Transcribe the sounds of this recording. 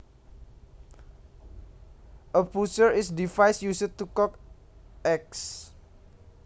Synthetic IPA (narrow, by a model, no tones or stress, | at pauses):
ʔəpusəɹisdifajsjusət̪ukɔkʔɛk̚s